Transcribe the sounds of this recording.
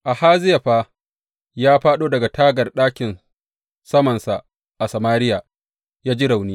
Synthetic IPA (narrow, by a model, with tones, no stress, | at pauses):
ʔa˨haː˦zɪ˦ja˨ɸaː˦ | jaː˦ɸaː˦ɗoː˦dɐ˨ɡa˨taː˦ɡɐ˨rɗaː˦kʲɪ˨n | sɐ˦mɐ˨nsa˨ | ʔa˨sɐ˨maː˦ɾɪ˦jaː˨ | jaː˦d͡ʒi˦ɽa˨wniː˦